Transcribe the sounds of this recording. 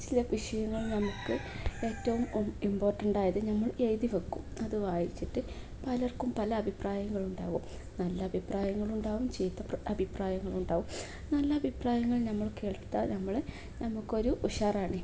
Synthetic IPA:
t͡ɕilɐʋiʂɐjɐŋːɐɭnɐmukːɨe̞ːtːɐʋumimbo̞ːrʈːɐɳɖaːjɐðɨnɐmːɐɭejðiʋɐkːumɐðɨʋaːjit͡ɕːiʈːɨ | pɐlɐrkumpɐlɐːbʱipraːjɐŋːɐɭuɳɖaːʋum | nɐlːɐːbʱipraːjɐŋːɐɭuɳɖaːʋumt͡ɕe̞jt̪ːɐpɐbʱipraːjɐŋːɐɭuɳɖaːʋum | nɐlːɐɐbʱipraːjɐŋːɐɭnɐmːɐɭke̞ːɭkt̪ːɐnɐmːɐɭ | nɐmukːo̞ɾuʔuʂaːraːɳɨ

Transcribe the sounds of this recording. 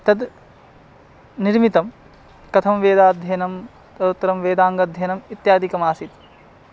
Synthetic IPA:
t̪ɐd̪ | niɾmit̪ɐm | kɐt̪ʰɐmʋeːd̪aːd̪ʱjɐnɐm | t̪ɐut̪ːɐɾɐmʋeːd̪aːŋɡɐd̪ʱjɐjnɐmit̪jaːd̪ikɐmaːsit̪

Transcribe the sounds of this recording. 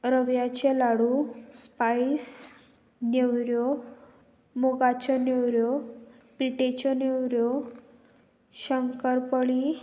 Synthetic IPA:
ɾəʋjat͡ɕelaɽupais | newɾjɔ | moɡat͡ɕɔnewɾjɔ | piʈet͡ɕɔnewɾjɔ | ɕəŋkəɾpəɭi

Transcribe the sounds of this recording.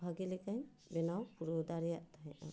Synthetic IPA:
bʱaɡilɛkaɲ | bɛnawpuɾɔd̪aɾɛjaʔt̪aɦʔa̰

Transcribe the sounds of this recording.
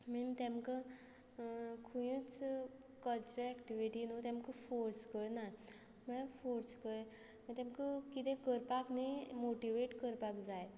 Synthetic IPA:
mint̪ɛ̃mka | kʰujĩt͡s | kəlt͡ɕuɾəɛkʈiʋiʈinut̪jɛ̃mkəfoɾskəɭna | mə̃afoɾskəɭ | mət̪ɛ̃mkəkit̪ẽkəɾpaknimoʈiʋeʈkəɾpakd͡zaj

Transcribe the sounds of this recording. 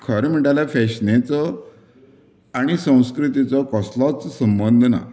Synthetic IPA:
kʰəɾm̤iʈalafɛɕnet͡sɔ | aɽ̃isə̃w̃skɾit̪it͡sɔkɔslɔt͡ssəmbənd̪ʱna̰

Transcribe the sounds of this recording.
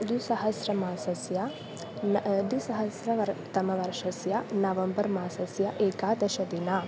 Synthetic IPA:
d̪usɐɦɐsɾɐmaːsɐsja | d̪isɐɦɐsɾɐʋɐɾt̪ɐmɐʋɐɾʃɐsjɐnɐʋɐmbɐɾmaːsɐsjɐʔeːkaːd̪ɐʃɐd̪ina

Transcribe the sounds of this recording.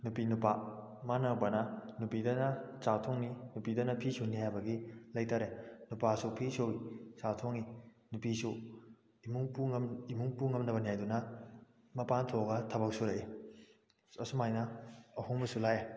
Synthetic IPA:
nupinupa | manɐbɐnɐnupidɐnɐt͡ʃatʰoŋninupidɐnɐpʰisownihajbɐɡilɐjtʰaɾenupasupʰisowisatʰoŋi | nupisu | imuŋpuimuŋpuŋɐmnɐbɐnijajdunɐ | mɐpantʰoɡɐtʰɐbɐk̚suɾai | ɐsumajnɐɐhuŋbɐsulaje

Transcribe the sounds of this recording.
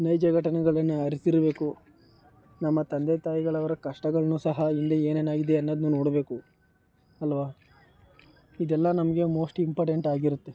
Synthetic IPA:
nɐjd͡ʒɐɡʱɐʈɐnɛɡɐɭɐnːeɐɾisiɾɐbe̞ːku | nɐmːɐt̪ɐnd̪et̪aːjiɡɐɭɐʋɐɾɐkɐʂʈɐɡɐɭɐnuːsɐɦɐind̪eeːneːnaːɡid̪eɐnːɐd̪nuːno̞ːɽɐbe̞ːku | ɐlʋaː | id̪ɛlːɐnɐmɐɡe̞mo̞ːsʈimpoːɾʈe̞ɳʈaːɡiɾut̪ːe

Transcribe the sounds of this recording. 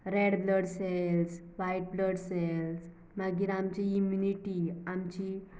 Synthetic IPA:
ɾeɽbləɽsɛlsʋaiʈ̚bləɽseɛls | maɡiːɾamt͡ɕiimjuniʈiamt͡ɕi

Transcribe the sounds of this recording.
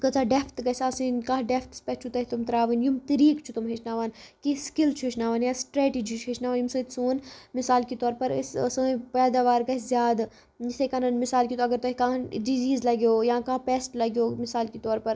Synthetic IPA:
kɐt͡ʃaɖepʰt̪kɐsaːsinkãːɦɖepʰt̪spɛt͡ʃʰut̪ɐɦit̪umt̪ɾaːʋinjumt̪ɐɾiːkt͡ʃʰut̪umɦet͡ʃnaːʋaːnkiskilt͡ʃʰuɦɪʃnaːʋaːnjãːsʈɾeːʈiːd͡ʒit͡ʃʰuɦeʃnaːʋaːnjumsɐt̪soːnmɪsaːlkit̪ɔːɾpɐɾ̰ssɐ̃pɛːd̪aːʋaːɾkɐzjaːd̪ | isekananmɪsaːlkit̪oːɐɡəɾt̪oɦikãːɖiziːzlɐɡjoːjãːkãːpeːsʈlɐɡjoːmɪsaːlkit̪ɔːɾpɐɾ

